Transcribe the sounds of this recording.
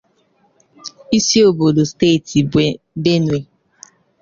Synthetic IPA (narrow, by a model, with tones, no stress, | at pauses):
i˦si˦o˨bo˨do˨ste˦˨ti˨ | be˦nwe˨